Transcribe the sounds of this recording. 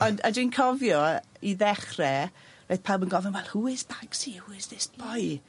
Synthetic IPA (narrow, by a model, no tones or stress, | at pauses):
ɔndadinkʰɔvjɔiðɛχrɛ | roɨθpʰalˠmənɡɔvɛnwɛlˠhuːɪzbaŋksihuːɪzðɪsb̥ɔj